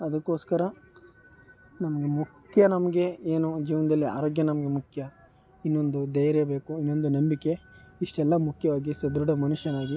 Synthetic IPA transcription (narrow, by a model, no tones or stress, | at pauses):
ɐd̪ɐkːo̞ːskɐɾɐ | nɐmɐɡemukʰjɐnɐmɐɡe̞eːnud͡ʒiːʋɐnɐd̪ɐlːia̰ːɾo̞ːɡjɐnɐmɐɡe̞mukʰjɐ | inːo̞nd̪ud̪ɐjɐɾebe̞ːkuinːo̞nd̪unɐmbikːe̞iʂʈɛlːɐmukʰjɐʋaːɡisɐd̪ɾuɖɐmɐnuʃjɐnaːɡi